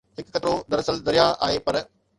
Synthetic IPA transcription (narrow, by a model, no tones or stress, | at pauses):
ɦɪkːɐt̪ɾod̪ɐɾɐsəld̪ɐɾijaʔa̰ːeːpɐɾ